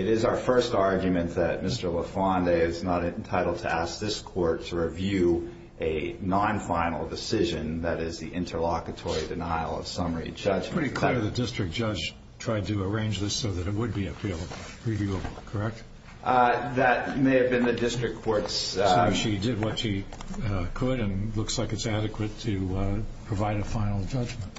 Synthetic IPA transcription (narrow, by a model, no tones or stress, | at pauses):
ɨɾɪzaʊə˞fɜ˞stɑɹɡjɨmɨ̃nðɨt̚mɪstə˞ləfɑ̃ndeɪɪznəɾɨntʰaɪɾl̩ˠd̚tʰɨ̰æsk̚ðɪskʰɔɹtʰəɹivjʉ | ʔɨnɑ̃nfãɪ̃nl̩ˠdɨsɪʒɨ̃nðɨɾɪzðḭʔɪ̃ntʰə˞lɑkɨtʰɔɹidɨnaɪl̩ˠʌ̰v̥sʌ̃mə˞ḭd͡ʒʌd͡ʒɹ̥ɪɾikʰl̥ɹðɨdɪstɹ̥ɨk̚d̥ʒ̥ʌd͡ʒ | tʰɹ̥aɪd̚tɨə˞ẽɪ̃nd͡ʒðɪsoʊðɨɾɨt̚wəd̚biɨfelˠəv | ɹivjʉəbl̩ˠkʰə˞ɛk̚t̚ | ðɨt̚meɪɨvbɨ̃nðɨdɪstɹ̥ɨkʰːɔɹtssʃidɪd̚wʌtʃi | kʰəɾɨ̃nlʊkslaɪkɨtsæɾɨkʰwɨtʰɨpʰɹ̥ɨvaɪɾɨfãɪ̃nl̩ˠd͡ʒʌd͡ʒmə̃nt̚